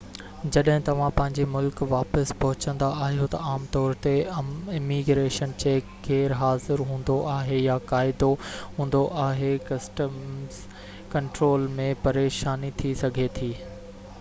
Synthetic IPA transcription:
d͡ʑɐɗɦɪ̃t̪ɐʋ̤ãpɐ̃ɦɪ̃ɲd͡ʑemʊlkʋaːpəspɐɦʊt͡ɕə̃nd̪aʔaːɦijot̪ɐaːmt̪ɔːɾt̪eɪmiɡɾeːʃənt͡ɕeːkkʰeːɾɦaːzɪɾɦũːnd̪oʔaːɦejakaːɪd̪oɦũːn̆d̪oʔaːɦekɐsʈəm | kɐ̃ɳʈɾoːlmẽpɐɾeːʃaːnit̪ʰisɐɡʱet̪ʰiː

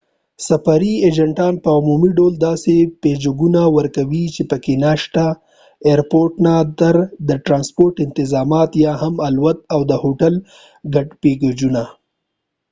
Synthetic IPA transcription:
safaɾied͡ʒɐɳʈɑnpəʊmumiɖold̪ɑseped͡ʒuɡunawəɾkawit͡ʃepəkenaʃt̪a | eɾpoɾʈnat̪aɾd̪əʈɾɑnspoɾʈɪnt̪ɪzɑmɑt̪jɑɦamalwat̪̚awd̪əhoʈal | ɡaɖpeɡod͡ʒuna

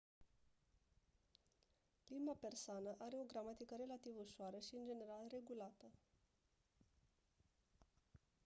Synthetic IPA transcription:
limbape̞rsoanəʔaɾe̞o̞ɡɾamat̪ikəɾe̞lat̪ivuʃoaɾəʃiɨnd͡ʒe̞ne̞ɾalre̞ɡulat̪ə

